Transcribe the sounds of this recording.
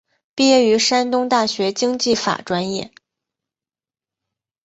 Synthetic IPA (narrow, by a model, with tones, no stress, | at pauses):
pi˥jɛ˥˩y˧˥ʂa˥nt̪ʊ˥ŋt̪a˥˩ɕɥɛ˧˥t͡ɕi˥ŋt͡ɕi˥˩fa̰˨˩ʈ͡ʂwa˥njɛ˥˩